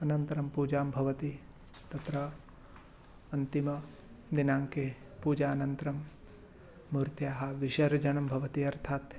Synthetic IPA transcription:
ɐnɐnt̪ɐɾɐmpuːd͡ʒaːmbʱɐʋɐt̪i | t̪ɐt̪ɾɐ | ɐnt̪imɐ | d̪inaːŋke | puːd͡ʒaːnɐnt̪ɾɐmː | uɾt̪jaːɦɐ̆ʋiʃɐɾd͡ʒɐnɐmbʱɐʋɐt̪iɐɾt̪ʰaːt̪

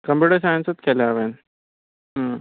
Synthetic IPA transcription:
kɐmbjuːɽɐs̬aːjnsɐt̪̚kelaːʋeːnː

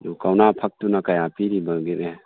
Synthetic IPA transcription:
dukawnapʰɐk̚tunakajapiɾibaɡiɾe

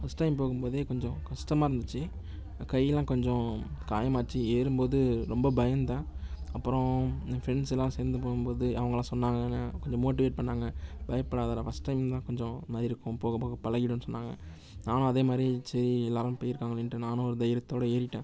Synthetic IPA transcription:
fɐsʈɐɪmpoːɣɯmpoːðeːkɔɲd͡ʒɔ̃kɐsʈɐmaːɾɯnd̪ɯt͡ʃːɯ | kɐjɐlãːkɔɲd͡ʒɔ̃kaːjɐmaːt͡ʃːieːɾɯmpoːðɯɾɔmbɐbɐjɐnt̪ãːɐpːɯɾɔ̃fɾɛnsɛlːãːseːɾnd̪ɯpoːɣɯmpoːðɯɐʋɐŋɡɐlãːsɔnːaːŋɡɐnːɯkɔɲd͡ʒɔ̃moːʈ̬ɪʋeːʈ̚pɐɳːaːŋɡɐb̥ɐjɐpːɐɽaːðɐlɐfɐsʈɐɪmt̪ãːkɔɲd͡ʒɔ̃maːɾɪɾɯkːʊ̃poːɣɐpoːɣɐpɐlɐɣɪɽɯ̃nːɯsɔnːaːŋɡɐ̰ | naːnʊ̃ɐðeːmaːd̪ɾisɐɾiɛlːaːɾãmpoːjɪɾɯkːaːŋɡɐɭɛɳʈːɯnaːnʊ̃ɔɾɯd̪ɐjɪɾɐt̪ːoːɽɐeːɾɪʈːẽː

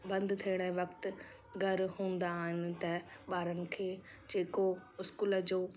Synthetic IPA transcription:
bə̃nd̪t̪ʰeːɽ̃ɛːʋəkt̪ | ɡəɾɦõːnd̪aːɦɪnt̪ɛːbaːɾənkʰeː | d͡ʒeːkoːʊskuːləd͡ʒoː

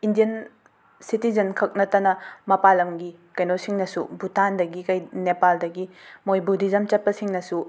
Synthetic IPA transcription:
indijɐn | sitizɐnkʰɐk̚nɐtɐnɐmɐpalɐŋɡi | kɐjnosiŋnɐsṵbutʰandɐɡikɐjnepaldɐɡimojbudizɐmt͡ʃɐt̚pɐsiŋnɐsu

